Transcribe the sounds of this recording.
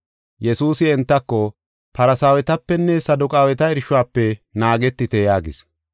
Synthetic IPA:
jɛsuːsɪɛnt̪ːɐkːɔ | pɐɾɐsaːwɛt̪ɐpːɛnːɛsɐd̪ʊkʼaːwɛt̪ɐɛɾʃʊwaːpːɛnaːɡɛt̪ːɪt̪ɛjaːɡɪs

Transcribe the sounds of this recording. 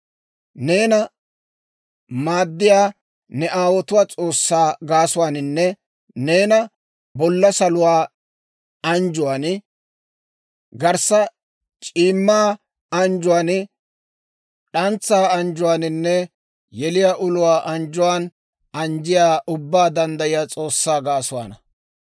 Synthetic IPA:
neːnɐ | maːd̪ːɪjaː | nɛʔaːwɔt̪ʊwaːt͡sʼo̞ːsːaːɡaːsʊwaːnɪnːɛ | ne̞ːnɐ | bɔlːɐsɐlʊwaː | ɐnd͡ʒʊwaːn | ɡɐɾsɐ | t͡ʃʼiːmːaː | ɐnd͡ʒʊwaːn | ᶑɐnt͡sːaːɐnd͡ʒʊwaːnɪnːɛ | jɛlɪjaːʔʊlʊwaːʔɐnd͡ʒʊwaːn | ɐnd͡ʒɪjaːʔʊbːaːd̪ɐnd̪ɐjɪjaːt͡sʼo̞ːsːaːɡaːsʊwa̰ːnɐ

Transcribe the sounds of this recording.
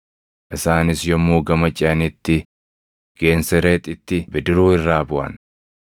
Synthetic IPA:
ʔɪsaːnɪsjɔmːuːɡɐmɐt͡ʃʼɛɐnɪt̪ːɪ | ɡ̥e̞ːnsɛɾeːt̪ʼɪt̪ːɪbɪd̪ɪɾuːɪrːaːbʊʔɐ̰n

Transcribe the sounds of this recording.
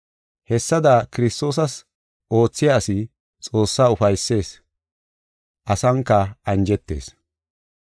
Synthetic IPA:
hɛsːɐd̪ɐkɪɾɪst̪o̞ːs̬ɐs | ʔo̞ːt͡sːɪjaːsɪ | t͡sʼo̞ːsːaːʊfɐjsːe̞ːs | ʔɐsɐŋkːɐɐnd͡ʒɛt̪ːe̞̰ːs

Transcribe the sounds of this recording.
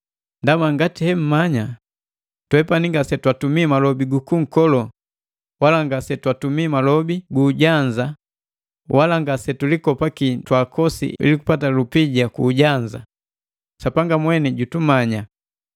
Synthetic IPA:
ndamaŋɡatihɛm̩maɲa | twɛpaniŋɡasɛtwatumimalɔbiɡukuŋ̩kɔlɔ | walaŋɡasɛtwatumiːmalɔbiɡuːɟaɲd͡ʒa | wʔalaŋɡasɛtulikɔpakitwakɔsḭḭliku̥patalupiɟakuːɟaɲd͡ʒa | sapaŋɡamwɛniɟutumaɲa

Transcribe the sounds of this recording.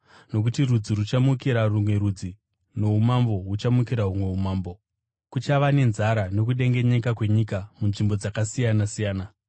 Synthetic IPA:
no̞k̬utirud͡zirut͡ʃamukiɾarumwe̞ɾud͡zi | no̞ɦumambo̞ɦut͡ʃamukiɾaɦumwe̞umaːmbo̞ | kut͡ʃaʋane̞nzaɾano̞k̬uɗe̞ŋɡe̞ɲe̞kakwe̞ɲikamunʐimbo̞d͡zakasijanasijaːna

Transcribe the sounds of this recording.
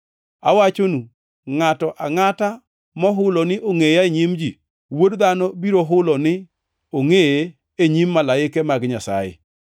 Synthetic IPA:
a̰wat͡ʃonu | ŋatɔʔaŋata | mɔɦʊlɔnɪʔoŋejaɲimd͡ʒi | wodd̪anɔbiɾoɦʊlɔnɪ | oŋeje | eɲimːalaɪkɛmaɡɲasa̰jɪ̰

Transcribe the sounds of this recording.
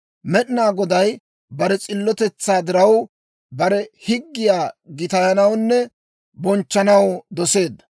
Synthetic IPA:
mɛɗɪnaːɡɔd̪ɐj | bɐɾɛt͡sʼɪlːɔt̪ɛt͡sːaːd̪ɪɾɐw | bɐɾɛhɪɡːɪjaːɡɪt̪ɐjɐnɐwnːɛ | bɔnt͡ʃːɐnɐwd̪ɔse̞ːd̪ːɐ̥

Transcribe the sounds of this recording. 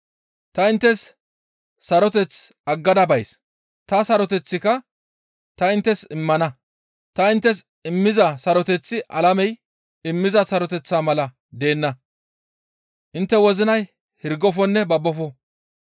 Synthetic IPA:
t̪ɐɪnt̪ːɛs | sɐɾɔt̪ɛt͡s | ɐɡːɐd̪ɐbɐjs | t̪ɐsɐɾɔt̪ɛt͡sːɪkɐ | t̪ɐɪnt̪ːɛsɪmːɐnɐ | t̪ɐɪnt̪ːɛs | ɪmːɪzɐsɐɾɔt̪ɛt͡sːɪʔɐlɐmɛj | ɪmːɪzɐsɐɾɔt̪ɛt͡sːaːmɐlɐ | d̪e̞ːnːɐ | ʔɪnt̪ːɛwɔzɪnɐj | hɪɾɡɔfɔnːɛbɐbːɔfɔ

